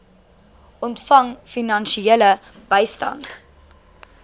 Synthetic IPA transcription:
ʔɔntfɐŋfinɐnʃielə | b̥əjstɐ̰nt

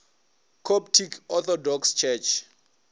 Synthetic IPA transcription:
kʰɔptʰikʰɔt̪ɔdɔkst͡ʃʰɛt͡ʃʰ

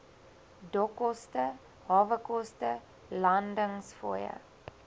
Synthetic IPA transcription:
dɔkɔstə | ɦɑːvəkɔstə | lɐndəŋsfo̰jə̰

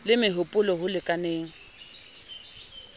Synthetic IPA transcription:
lɪmɪɦʊpʼʊlɔɦʊlɪkʼaneːŋ̩

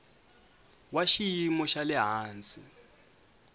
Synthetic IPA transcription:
waʃijimɔʃalɛɦaːnt͡sʼi

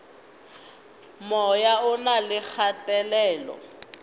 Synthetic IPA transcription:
mɔjaʊnalɪk͡xʰatɛlɛːlɔ̰

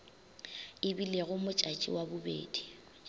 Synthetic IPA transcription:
ɪbileɣʊmʊt͡ʃʼat͡ʃʼḭwabʊbḛːd̥i

